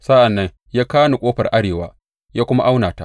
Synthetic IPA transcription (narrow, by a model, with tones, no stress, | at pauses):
sa˦ʔa˨nːɐ˦ŋ | jaː˦kaː˦nu˨kʷʼoː˦ɸɐ˨rʔa˦ɽeː˨wa̰ː˦ | jaː˦kʷʊ˦ma̰˦ʔa˦wnaː˨ta̰˦ʔ